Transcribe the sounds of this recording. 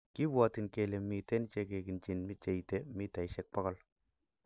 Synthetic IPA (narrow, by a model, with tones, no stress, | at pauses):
ki˦bwa˨ti˨nke˨le˨mi˨te˦nt͡ʃe˦ke˨ki˨nt͡ʃɪ˨nmi˦t͡ʃe˨jte˦mi˦ta˨jʃɛ˦k̚pɔ˦kɔ˦˨l